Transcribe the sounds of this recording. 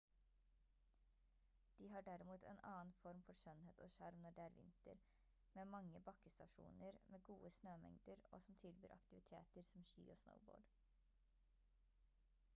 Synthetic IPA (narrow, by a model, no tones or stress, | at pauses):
d̪̥iːɦɑːɖæɾɪmuːt̪ʰɛ̰nʔɑːnfɔɾmfɔɾʃœnheːt̪ʰoːʃɑɾmnɔɖɛːæːɾʋɪ̰nt̪ə̰ɾ | meːmɑŋːəbɑkəst̪ɑʂṵːnəɾmeːɡuːəsnøːmɛ̰ŋd̪əɾo̰ːsɔmt̪ʰɪlby̰ːɾʔɑ̰kt̪ɪʋɪt̪ʰḛːt̪əɾsɔmʃḭːoːsnə̰ʊbo̰ːɖ